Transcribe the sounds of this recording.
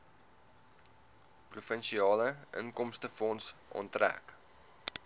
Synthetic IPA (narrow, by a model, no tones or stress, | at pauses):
prufənʃiɑːləʔə̰ŋkɔmstəfɔnsʔɔ̰ntræ̰k